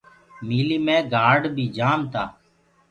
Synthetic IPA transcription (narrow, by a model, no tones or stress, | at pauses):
miːliːmẽːɡaːɖbʱiːd͡ʒaːmt̪aː